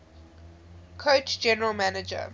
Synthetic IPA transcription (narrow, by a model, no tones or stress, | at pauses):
kʰoʊt͡ʃd͡ʒɛnəɹəlˠmænɪd͡ʒə̰